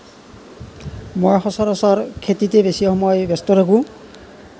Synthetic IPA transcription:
mɔjxɔsɔɾɔsɔɹkʰetitebesijɔxɔmɔjbjɔst̪ɔɾʰakũ

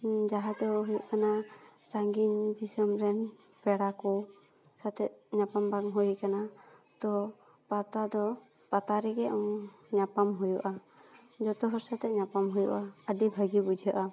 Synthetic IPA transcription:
d͡ʒaɦat̪ɔɦujuʔkanasaŋɡiɲd̪isəmɾɛn | pɛɽakɔ | sat̪ɛɲapambaŋɦujkanat̪ɔ | pat̪ad̪ɔ | pat̪aɾɛɡɛɔŋɲapamɦujuʔa | d͡ʒɔt̪ɔɦɔɾsat̪ɛɲapamɦujuʔaəɖibʱəɡibud͡ʒʱəʔa

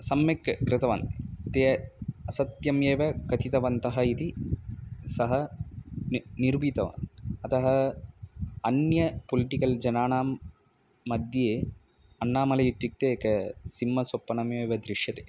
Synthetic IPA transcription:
sɐmjɐkːkɾɪt̪ɐʋa̰ːnt̪eːɐsɐt̪jɐmjeːʋɐkɐt̪it̪ɐʋɐnt̪ɐɦɐit̪i | sɐɦɐ | niɾbit̪ɐʋa̰ːnɐt̪ɐɦɐ | ɐnjɐpoliʈikɐld͡ʒɐnaːnaːmː | ɐd̪jeː | ɐnːaːmɐlɐjut̪ːjuk̚t̪ekɐsimːɐsopːɐnɐmjeːʋɐd̪ɾiʂjɐt̪e̥ː

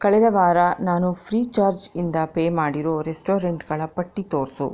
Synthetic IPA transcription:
kɐɭɛd̪ɐʋaːɾɐnaːnupʰɾiːt͡ʃaːɾd͡ʒind̪ɐpeːmaːɽiɾoːɾesʈoːɾeɳʈɡɐɭɐpɐʈːit̪o̞ːɾsṵ

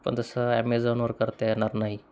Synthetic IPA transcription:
pə̰ɳt̪əsəɛmezonʋəɾkəɾt̪eɛnaɾnaɦi

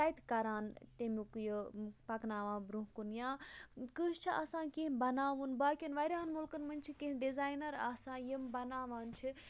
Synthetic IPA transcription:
ajt̪kɐɾaːnt̪emikujəpɐknaːʋãːbɾuɦkunjãːkɨʃt͡ʃʰiʔa̰ːsãːkĩɦbɐnaːʋunbaːkʲinʋaːɾʲaːnmulkɐnmɐnʲt͡ʃʰikĩɦɖizaːjnɐɾaːsãːjimbɐnaːʋaːnt͡ʃʰi

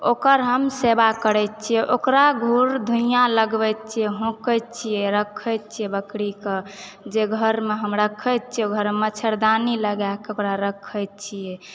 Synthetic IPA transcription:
okəɾɦəmsebakəɾɛt̪̚t͡ʃʰijɛʔokɾaɡʱuɾd̪ʱuijãləɡbɛjt̪̚t͡ʃʰijɛɦõkət̪̚t͡ʃʰijɛɾəkʰəjt̪̚t͡ʃʰijɛbəkɽike | d͡ʒeɡʱəɾmeɦəmɾəkʰəjt̪̚t͡ʃʰijɛɡʱəɾmət͡ʃʰəɾd̪aniləɡakokɾaɾəkʰəjt̪̚t͡ʃʰijɛ

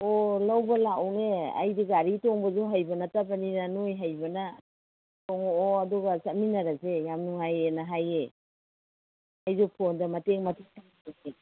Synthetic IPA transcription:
olawbɐlakawnea̰jdiɡaɾitɔŋbɐzuɦajbɐnɐtabɐninanojɦajbɐnɐ | toŋooaduɡɐsatminɐɾasejamnuŋajenɐɦaje | hajzopʰondɐmɐteŋmɐteŋtʰaŋaaŋe

